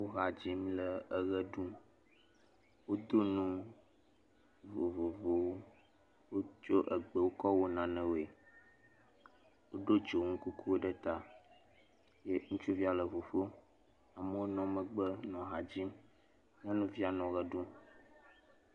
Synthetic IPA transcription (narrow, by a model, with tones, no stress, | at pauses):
wo˦ɦa˨d͡ʑi˦mlə˨ə˨ɣə˦ɖũ˦ | wo˦d̪o˦nũ˦ | vo˨vo˨vo˨wo˦ | wo˦t͡ʃo˦ʔə˨ɡ͡bə˦˨wo˦kɔ˦wo˦nã˨nə̃˦wo˨e˨ | wo˦ɖo˦d͡ʒo˨ŋũ˦ku˦ku˦wo˦ɖə˦t̪a˦ | je˦ŋũ˦t͡ʃu˦vi˦a˨lə˨vo˨fo˦ | a˨mə˦wo˦nɔ̃˦mə̃˨ɡ͡bə˦nɔ̃˨ɦa˨d͡ʑi˦m | ɲɛ̃˦nũ˦vi˦a˨nɔ̃˨ɣə˦ɖũ˦